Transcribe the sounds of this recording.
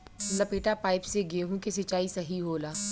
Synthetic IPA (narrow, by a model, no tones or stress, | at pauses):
lɐpeːʈapaːɪpseɡeːɦũkesɪt͡ʃaːisɐɦiɦoːlaː